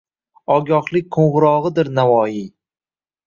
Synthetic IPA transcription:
ɒɡʲɒχlˠɪk̚ʲqʰoɴʁɾɒʁɨd̪ɪɾnavɒji

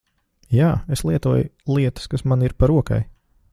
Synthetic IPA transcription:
jaːeslˠiɛt̪uɔjlˠiɛt̪ə̥skasmaniɾpaɾuɔka̰j

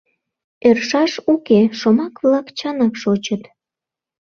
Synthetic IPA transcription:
erʃɑʃukeʃomɑkβlɑkt͡ɕɑnɑkʃot͡ɕət̪

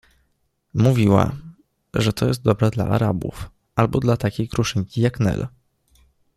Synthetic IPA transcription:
muvʲiwa̰ | ʐɛt̪ɔjɛst̪̚d̪ɔbɾɛd̪la̰ʔa̰ɾabṵf | albɔd̪lat̪akʲejkɾuʂɘɲkʲijaknɛ̰l

